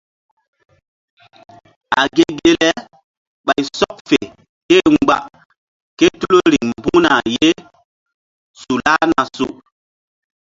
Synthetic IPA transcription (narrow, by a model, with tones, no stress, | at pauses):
a˨ɡe˦ɡe˦lɛ˦ | ɓa˨jsɔ˦p̚fe˨ | ke˦ŋ͡mɡ͡ba˨ | ke˦tu˦lo˦ɾi˨ŋmbu˦na˨je˦ | su˨la˦na˨su˨